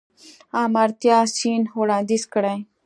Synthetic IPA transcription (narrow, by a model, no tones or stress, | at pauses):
ãːmaɾt̪jasiːnɦoɽãːd̪iskəɽãj